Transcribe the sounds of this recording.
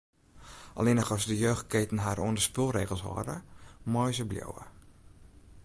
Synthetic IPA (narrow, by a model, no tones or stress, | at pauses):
ʔɔ̰lenəxɔsdəjøːxt̚ketən̩ɦaɾʔuəndəspəlˠreːɣəlˠsʋɔ̰də̰mɔjzəbljo̰wə̰